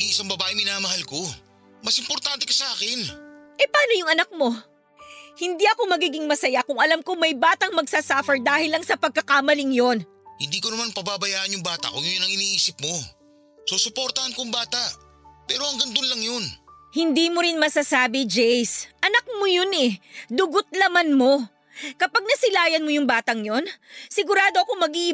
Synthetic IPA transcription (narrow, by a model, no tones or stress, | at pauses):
iʔɪsaŋbɐbaːʔɪmɪnaːmɐɦalko̞ | mɐsʔɪmpoɾt̪ant̪ɛkɐsɐʔaːkɛnʔɛpaːnojʊŋɐnak̚mo̞ | hɪnd̪iʔɐko̞mɐɡiːɡɪŋmɐsɐjakʊŋɐlamkomɐjbaːt̪ɐŋmɐɡsasaːfɛɹd̪aːhɪlːɐŋsɐpɐɡ̚kɐkamɐlɪŋjon | hɪnd̪iːkonɐmanpɐbaːbɐjaːʔɐnjʊŋbaːt̪ɐ̰koŋɐjonɐŋɪniːʔiːsɪp̚mo̞ | sosʊpoːɾt̪ɐhɐnkoŋbaːt̪ɐʔ | pɛːɾoɐŋɡɐnd̪onlɐŋjon | hɪnd̪iːmoɾɪnmɐsasaːbɪd͡ʒɛjsʔɐnɐk̚mojonɛd̪ʊɡot̪̚lɐmanmo̞ | kɐpaɡ̚nɐsɪlaːjɐnmojʊŋbaːt̪ɐŋjo̞nsɪɡʊɾaːd̪o̞ɐkomɐɡiʔ